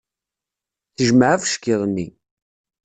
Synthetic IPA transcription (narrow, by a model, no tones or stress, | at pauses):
θəʒməʕafəʃkiðˤənːi